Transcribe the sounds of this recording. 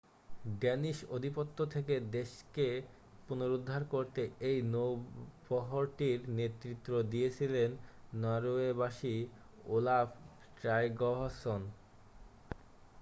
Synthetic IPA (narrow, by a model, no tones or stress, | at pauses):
ɖɛniʃod̪ʱipot̪ːot̪ʰeked̪eʃke | punoɾud̪ʱːaɾkoɾt̪eejnobɔɦoɾʈiɾnet̪ːɾit̪ːɾod̪ijet͡ɕʰilenːaɾoebaʃi | olaf | ʈɾajɡɔɦason